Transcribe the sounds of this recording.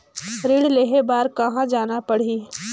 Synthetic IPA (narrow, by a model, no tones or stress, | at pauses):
ɾiːɽleːɦebaːɾkɐɦãd͡ʒaːnapɐɽ̤iː